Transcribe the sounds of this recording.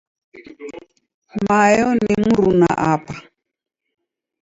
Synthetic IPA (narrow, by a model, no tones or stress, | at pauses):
majɔnimuɾuna̰ʔapa